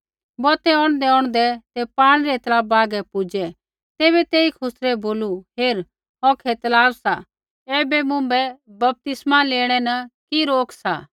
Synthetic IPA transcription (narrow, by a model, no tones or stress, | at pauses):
bɔːt̪ɛɔːɽ̃d̪ɛɔɽ̃d̪ɛt̪ɛpaːɽ̃ɾɛt̪ɐlaːbaːɡɛpʊd͡ʒɛ | t̪eːβɛt̪eːikʰʊsɾɛboːluɦeːɾ | ɔkʰɛt̪ɐlaːbsa | ɛːbɛmʊ̃bɛbɐp̚t̪ɪsmaleːɽ̃ɛnɐkiɾoːkʰsa